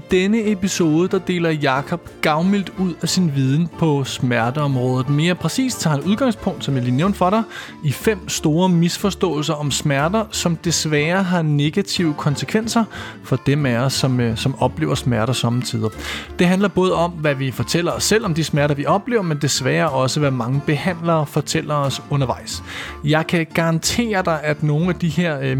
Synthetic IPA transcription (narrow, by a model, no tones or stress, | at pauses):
id̥enəe̝piso̝ːðˠəd̥ɑ̈d̥e̝̰ːlɐjɑ̈ːkʰɒ̽b̥ɡ̥ɑ̈ʊmil̰d̥uð̞̰ˠæsinʋiːð̞ˠn̩pʰɒ̽smæɐd̥əɒ̽mʁɔ̽ːð̞ˠð̩ˠme̝ːɐpʰʁɛsḭːsd̥t͡sʰɑ̈hnuð̞ˠɡ̥ɑ̈ŋ̰spʰɔ̽ŋ̰d̥sɒ̽mjæɐlḭːneʊ̰nd̥fɒ̽ɾɑ̈ | ifem̰sd̥o̝ːɐmisfɒ̽sd̥ɔ̰̽ːl̩sɐʔɒ̽msmæɐd̥ɐsɒ̽md̥e̝sʋæːɐɦɑ̈ne̝ɡ̥æt͡sʰiʊəkʰɒ̽nsəkʰʋen̰sɐ | fɒ̽d̥emæɒsːɒ̽msɒ̽mɒ̽b̥le̝̰ːʊɐsmæɐɾ̥ɐsɒ̽mət͡sʰiːðˠɐd̥e̝ɦændlɐb̥ɔ̽ːð̞ˠɒ̽mʋæʋifɒ̽t͡sʰel̰ɐɒ̽sel̰ɒ̽md̥ismæɐɾɐʋiʔɒ̽b̥le̝̰ːʊɐmend̥e̝sʋæːɐʔɒ̽səʋæmɑ̈ŋəb̥e̝hæn̰lɐːfɒ̽t͡sʰel̰ɐɒ̽sɔ̽nɐʋɑ̈ɪ̰sjɑ̈ɪkʰæɡ̥ɑ̈ʁɑ̈nt͡sʰe̝̰ːɐd̥ɑ̈ɪʔæd̥no̝ːn̩æd̥iheɐ̰